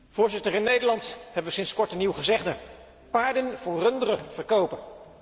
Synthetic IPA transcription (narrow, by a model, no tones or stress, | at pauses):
v̥ʊːɹzɪtəɹɪnːejdəɹlɑntɦɛbəʋəsɪnskɔɹtəniwχəzɛχdə | paːɹdənvʊːɹrɵndərəvəɹkowpə